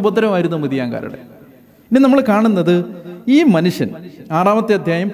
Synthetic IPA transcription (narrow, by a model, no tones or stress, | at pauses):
bɐd̪ːɐɾɐmaːjiɾunːɐmɐðijaːŋɡa̰ːɾɐ̰ɽḛ | inːenɐmːɐɭkaːɳunːɐðɨiːmɐnuʂjɐnaːraːmɐt̪ːeɐd̪ʱjaːjɐm